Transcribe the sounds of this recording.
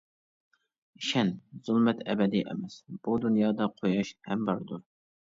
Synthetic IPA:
iʃɛnz̥ulˠmɛt̪ʰɛbɛd̪iʔɪ̰mɛsb̥ud̪unjɑːd̪ɑqʰojɑʃhɛmbɑɾd̪u

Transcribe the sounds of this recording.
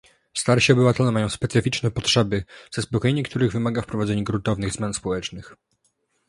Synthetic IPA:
st̪aɾɕiɔbɘvat̪ɛlɛmajɔ̃w̃spɛt̪sɘfʲit͡ʂnɛpɔtʂɛbɘz̥ɛspɔkɔjeɲɛkt̪uɾɘɣvɘmaɡafpɾɔvad̪zɛɲɛɡɾunt̪ɔvnɘɣzmjanspɔwɛt͡ʂnɘx

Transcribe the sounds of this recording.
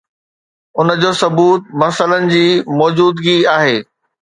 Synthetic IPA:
ʊnəd͡ʑoːsɐbuːt̪̚mɐsələnɪ̆d͡ʑiːmɔːd͡ʑuːd̪ɡiaːɦeː

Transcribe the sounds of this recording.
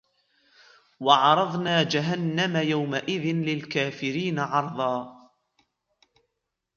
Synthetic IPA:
wɑʕɑɾˤɑðˤnaːd͡ʒaɦanːamajawmaʔɪðɪnlɪlkaːfɪɾiːnaʕɑɾˤðˤɑː

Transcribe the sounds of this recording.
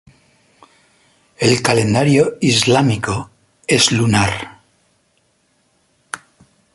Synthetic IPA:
e̞lkale̞nd̪aɾjoizlamiko | e̞zlunaɾ

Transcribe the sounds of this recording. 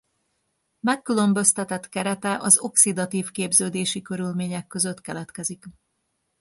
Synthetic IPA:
mɛkːylømbø̞st̪ɛt̪ɛt̪kɛɾɛt̪ɛʔɒzo̞ksid̪ɒt̪iːfkeːbzøːd̪eːʃikø̞ɾylmeːɲɛkːø̞zø̞t̪kɛlɛt̪kɛzik

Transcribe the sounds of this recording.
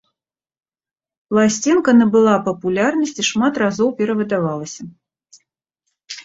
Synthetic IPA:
plˠasʲt͡sʲinkɐnɛbɨlˠapɐpulʲarnɐsʲt͡sʲiʂmat̪razɔwpʲɛɾɐvɨd̪avalˠɐsʲɐ

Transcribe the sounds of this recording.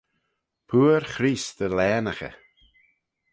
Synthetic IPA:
pʰuːəɾxɾiːsd̪əlɛːnaxə̰

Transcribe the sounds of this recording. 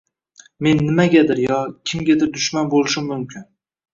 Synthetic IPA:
me̞nːɪmaɡʲad̪ɪɾjɒkʲʰɪmɡʲad̪ɪɾd̪ʊʃmanbolˠɪʃɪmːʊmkʲʰɪn

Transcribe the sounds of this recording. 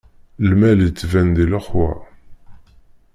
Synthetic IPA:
lmælt͡sːvænd̪iləχwæ̰

